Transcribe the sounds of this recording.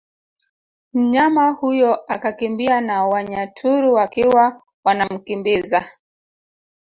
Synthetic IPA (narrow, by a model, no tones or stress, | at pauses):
m̩ɲamahujɔʔakakimbianawaɲatʰuɾuwakiwa | wanam̩kimbiza